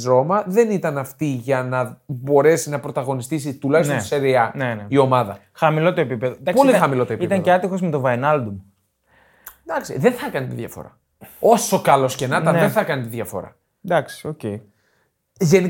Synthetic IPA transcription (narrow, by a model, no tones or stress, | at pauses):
ɾo̞mɐðe̞nit̪ɐnɐft̪iʝɐnɐbo̞ɾe̞sinɐpɾo̞t̪ɐɣo̞nist̪is̬it̪ulɐçis̬toiseɾiɐnenio̞mɐðɐ | xɐmilo̞t̪oepipeðod̪ɐkpolixɐmilo̞t̪oepit̪ɐɲceɐt̪ixo̞zmet̪o̞vɐenɐld̪um | d̪ɐksiðenθɐkɐnit̪iðʝɐfo̞̰ɾɐ̰ | o̞so̞kɐlo̞sce̞nɐtt̪ɐnðenθɐkɐnit̪iðʝɐfo̞̰ɾɐ̰ | d̪ɐksi̥o̞cei | ʝe̞ni